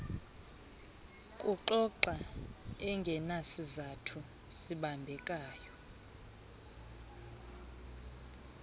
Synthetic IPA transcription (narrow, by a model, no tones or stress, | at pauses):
kʼuǃɔǃaɛŋɡʱɛnasizatʰu | siɓambʱɛkʼaːjɔ